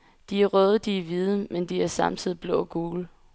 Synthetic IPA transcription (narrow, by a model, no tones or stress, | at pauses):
d̥iæɐʁœːð̞ˠəd̥iʋið̞ˠəmend̥iæɐsɑ̈mt͡sʰið̰ˠib̥lɔ̰̽ːɡ̥uːl